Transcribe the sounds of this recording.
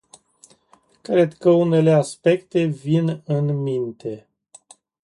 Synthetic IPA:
kɾe̞d̪kəune̞le̞aspe̞kt̪e̞vinɨnmint̪e̞

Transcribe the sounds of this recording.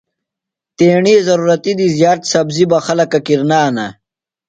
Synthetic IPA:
t̪eːɳizɐɾuːɾɐt̪id̪izjaːɾt̪sɐbzibɐxɐlɐkɐkiɾnaːnɐ

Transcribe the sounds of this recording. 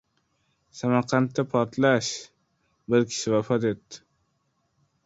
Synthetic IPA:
samaɾqʰant̪ːapʰɒɾt̪laʃ | bɪɾkʲʰɪ̥ʃɪvafɒt̪e̞t̪ːɪ̥

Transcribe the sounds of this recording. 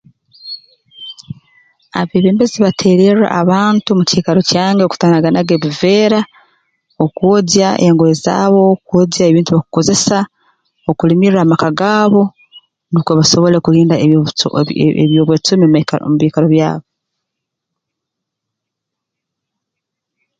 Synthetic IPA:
a̰βiβeːmbeziβatʰe̞ːɾera̰ʔa̰βaːntumuciːkaɾo̞caːŋɡeku̥taːnaɡanaɡeβiveːɾa | okwoɟjaḛŋɡoeza̰ːβo̞kwoɟjaeβiːntuβaku̥ko̞ze̞sa | okulimiɾaːmakaɡaːβo̞ | nukwoβaso̞βo̞le̞kuliːnda | βjoːβwet͡sumemuβikaɾo̞βja̰ːβo

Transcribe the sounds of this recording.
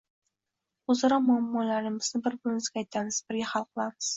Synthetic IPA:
ʊzaɾɒmʊamːɒlaɾɪmɪznɪbɪɾbʊlɪnɪzɡʲaːjt̪ʰamɪz̥bɪɾɡʲaχɑlˠqʰɨlˠamɪz̥

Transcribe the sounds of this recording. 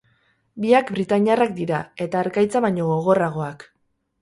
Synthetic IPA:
biakbɾit̪aɲarak̚d̪iɾae̞t̪aːɾkajt͡saβajɲo̞ɣo̞ɣ̞o̞raɣ̞o̞ak

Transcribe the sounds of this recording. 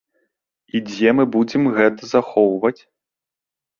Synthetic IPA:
id͡zʲɛmɨbud͡zʲɛmɣɛt̪ɐzaxɔwvɐt͡sʲ

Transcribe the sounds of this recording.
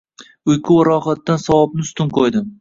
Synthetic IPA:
ʊjkʰʊɾɒχat̪̚ːansawɒb̚nɪst̪ʰʊnqʰojd̪ɪm

